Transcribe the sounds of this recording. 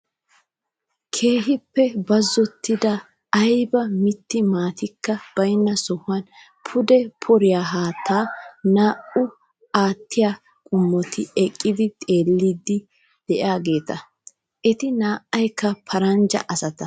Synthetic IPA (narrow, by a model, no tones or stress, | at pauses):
kʰe̞ːɦɪpːɛbɐzːɔt̪ːɪd̪ɐ | ɐjbɐmɪt̪ːɪmaːt̪ɪkːɐb̥ɐjnːɐsɔhʊɐn | pʰʊd̪ɛpʰɔɾɪjaːɦaːt̪ʰːaːnaːʔʊ | aːt̪ːɪjaː | kʼʊmːɔt̪ɪɛkʼːɪd̪ɪt̪ʼe̞ːlːiːd̪ːɪ | d̪̥ɛʔaːɡe̞ːt̪ɐ | ʔɛt̪ɪnaːʔɐjkːɐpʰɐɾɐnd͡ʒɐ̰ʔɐsɐt̪ɐ